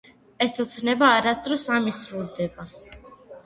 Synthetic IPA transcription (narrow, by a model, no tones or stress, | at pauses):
ɛsɔt̪sʰnɛbaːɾasd̪ɾɔsamisɾuld̪ɛba